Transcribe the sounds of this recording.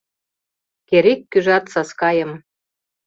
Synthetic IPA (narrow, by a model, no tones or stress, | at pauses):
keɾekːyʒɑt̪sɑskɑjə̆m